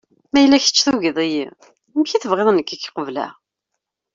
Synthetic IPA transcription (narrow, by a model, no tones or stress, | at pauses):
mæjəlːæçə̥t͡ʃːθuʝəðˤiji | mçiθəvʁeðˤnəkːikːqəvlæ̰